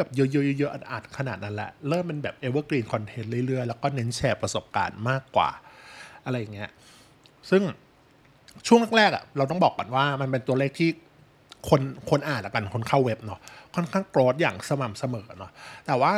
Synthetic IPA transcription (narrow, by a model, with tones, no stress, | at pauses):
bɛː˨˩p̚jɤ˦˥jɤ˦˥jə˧˥jɤ˦˥ʔa˧˩nʔa̰ː˨˩t̪̚kʰa˧naː˨˩t̪̚na˦˥nlɛ̰˧˩ʔɾɤː˥˩mpe˧nbɛː˨˩p̚ʔe˦˥wəː˧˥˩kliː˧nkʰɔ˧nt̪ʰe˦˥nɾɯ˥˩˨ɾɯ˥˩əjlɛː˦˥wkɔː˥˩ne˦˥nt͡ɕʰɛː˧pɾa˧so˨˩p̚ka̰ː˧nmaː˥˩kːwa̰ː˨˩ʔa˧ɾa˧jːa˨˩ŋːi˦˥ɐ | sɯ˥˩ŋ | t͡ɕʰu˥˩əŋna˥˩ɾɛː˥˩k̚a̰˨˩ɾa˧wt̪̬ɔ˥˩ŋbɔː˨˩kːa̰˨nwaː˥˩ma˧np̬e˧nt̪u˧ɐleː˥˩k̚t̪ʰiː˥˩ | kʰo˧nkʰo˧nʔaː˨˩t̪̚la˦˩ka˧nkʰo˧nkʰaː˥˩we˦˥p̚nɔ˦˥kʰɔ˥˩nkʰaː˥˩ŋkɾoː˦˥t̪̚jaː˨˩ŋsa˧ma˨˩msa˧mɤː˩˦˧nɔ˦˥t̪ɛː˨˩waː˥˩